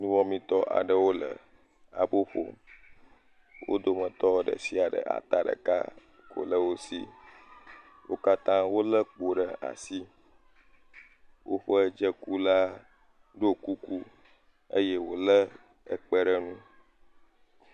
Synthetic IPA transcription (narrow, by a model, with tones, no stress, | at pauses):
nũ˦wɔ̃˦mĩ˨t̪ɔ˦ʔa̰˨ɖə˨wo˦lə̰˨ | a̰˨bo˦ɸo̰˦ | wʔo̰˦d̪o˦mə̃˨t̪ɔ˦ɖə̰˨si˦a˨ɖə̰˨ʔa̰˨t̪a˦ɖə̰˨ka̰˦ | ko̰˨lə˦wo˦sḭ˦ | wo˦ka˦t̪ã˦wo˦lə˦k͡po˨ɖə˨a̰˨si˦ | wʔo˦ɸə˦d͡ʒə˦ku˦la˦ | ɖo˦ku˦ku˦ | ə˦jɛ˦wo˦lə˦ | ə˨k͡pə˦ɖə˦nũ˦